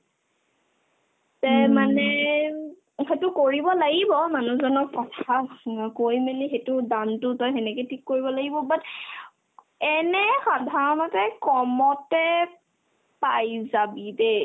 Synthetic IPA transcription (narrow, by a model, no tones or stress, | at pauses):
tɛmanɛ | xetʊkoɹibɔlaɡibɔmanuzɔnɔkːɔtʰakojmɛnixetʊdantʊtɔjxɛnɛketʰikːoɹibɔlaɡibɔbat | ɛnɛxadʱaɹɔnɔtɛkɔmɔtɛ | pajzabide